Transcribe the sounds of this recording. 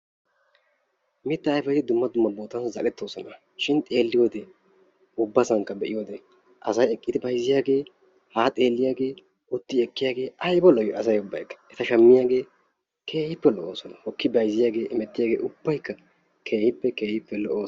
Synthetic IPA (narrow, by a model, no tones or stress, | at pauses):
mɪt̪ːɐːjfɐjt̪ɪd̪ʊmːɐd̪ʊmːɐboːt̪ɐnszɐlɛt̪ːo̞ːsɔnɐ | ʃɪnt̪ʼe̞ːlːɪjoːd̪ɛ | ʊbːɐsɐŋkːɐbɛʔɪjod̪ɛ | ʔɐsɐjɛkʼːɪd̪ɪbɐjzːɪjaːɡe̞ː | haːt̪ʼe̞ːlːɪjaːɡe̞ː | ʔʊt̪ːɪɛkʼːɪjaːɡe̞ːʔɐjbɔlɔjɔɐsɐjʊbːɐjkːɐ̥ɛt̪ɐʃɐmːɪjaːɡe̞ː | kʰe̞ːhɪpːɛlɔʔoːsɔnɐhɔkːɪbɐjzɪjaːɡe̞ːʔɪmɛt̪ːɪjaːɡe̞̰ːʔʊbːɐjkːɐ | kʰe̞ːhɪpːɛke̞ːhɪpːɛlɔʔoː